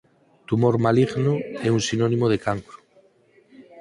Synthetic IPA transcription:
t̪umoɾmaliɣnoeunsinonĩmoð̞ekaŋkɾu̥

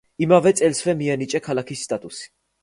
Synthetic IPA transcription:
imavɛt̪sʼɛlsvɛmiɛnit͡ʃʼɛkʰalakʰisːt̪ʼat̪ʼusi̥

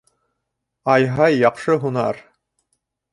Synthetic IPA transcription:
ɑjɦɑjːɑqʃɤɦunɑ̰ɾ

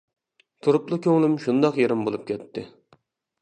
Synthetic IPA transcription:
t̪ʰuɾʊplˠʊkʲʰøŋlˠɪmʃund̪ɑqjeɾɪmbolˠup̚kʲʰɛt̪ʰːɪ

